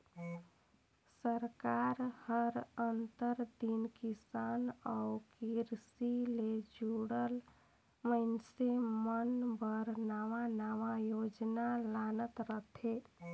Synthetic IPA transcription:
səɾkaɾhəɾənt̪əɾd̪inkisanakiɾsiled͡ʒuɽəl | məɪnsemənbʱəɾnaʋanaʋajod͡ʒnalanət̪ɾət̪ʰe

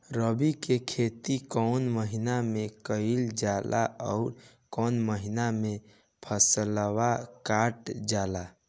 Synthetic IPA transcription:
ɾəbikekʰet̪ikɔʊnməɦinamekəɪld͡ʒalʔa̰ʔɔ̰ʊɾ | kɔnməɦiname | pʰəsələwakaʈd͡ʒala

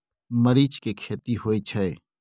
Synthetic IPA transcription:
məɾiːt͡ʃkekʰeːt̪iɦoːit͡ʃʰɐeː

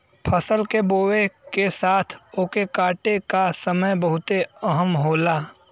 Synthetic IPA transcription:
pʰəsəlkeboːekesaːt̪ʰoːkekaːʈekasəməjbəɦʊt̪eəɦəmɦoːlaː

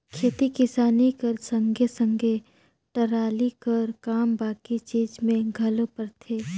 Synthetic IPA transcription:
kʰet̪ikɪsaːnikəɾsə̃ŋɡʱesə̃ŋɡʱe | ʈɐɾaːlikɐəɾkaːmbaːkit͡ʃiːd͡ʒmẽɡʱɐlopəɾt̪ʰeː

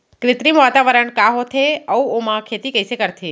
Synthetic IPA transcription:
kɾɪt̪ɾimʋat̪aʋəɾəɳkaɦot̪ʰeəwomãkʰet̪ikəjsekəɾt̪ʰi

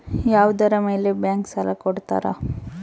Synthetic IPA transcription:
jaːʋd̪ɐɾɐme̞ːlebjaːŋksɐlɐkɔɽt̪a̰ːɾɐ̰

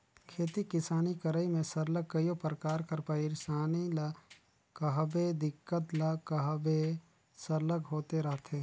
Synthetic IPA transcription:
kʰeːt̪ikɪsaːnikəɾəimẽsəɾləkːəjopɾkaːɾkəɾpəɪɾsaːnil | kəɦbed̪ɪkːət̪lɐkəɦbe | səɾləɡɦoːt̪eɾɐɦt̪ʰeː

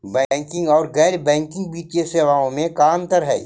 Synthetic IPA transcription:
bɛ̃ːŋkɪ̃ŋɡɔːɾɣɛːɾbɛ̃ːŋkɪ̃ŋɡbiːt͡ʃeseːʋaːõmẽkaːmt̪əɾɦɛ̰ː

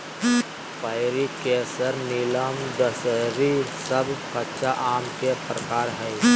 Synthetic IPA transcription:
pəɪɾikeːsəɾniləmd̪əsəɾisəbʱkət͡ʃaʔaːmkepɾəkaːɾɦɛː

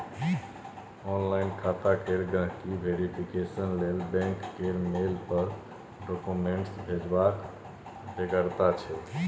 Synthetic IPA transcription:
ɔnlajnkʰat̪akeɾɡə̃ɦkibʱeɾipʰikesənlelbɛ̃ŋkːeɾmelpəɾ | ɖɔkumeɳʈsbʱed͡ʒbak | beɡəɾt̪at͡ʃʰɛ

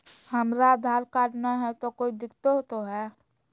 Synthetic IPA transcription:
həmɾad̪ʱaːɾkaːʈnaɦɛt̪okoːid̪ɪkt̪ot̪oɦɛː

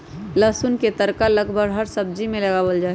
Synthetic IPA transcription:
ləsʊnket̪əɾkaləɡbʱəɡɦəɾsəb̚d͡ʒimẽlɐɡaːwəld͡ʒaː

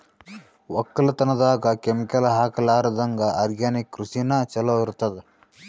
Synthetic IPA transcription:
ʋɐkːɐlɐt̪ɐnɐd̪aːɡɐkemikɐlɐɦaːkɐlaːɾɐd̪ɐŋɡɐʔɐɾɡjaːnikːɾusinɐt͡ʃɐlɐʋiɾt̪ːɐd̪e

